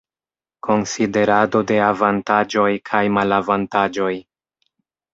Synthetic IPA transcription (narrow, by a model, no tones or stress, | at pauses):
ko̞nside̞ɾado̞de̞avantad͡ʒo̞jkʰajmalavantad͡ʒo̞j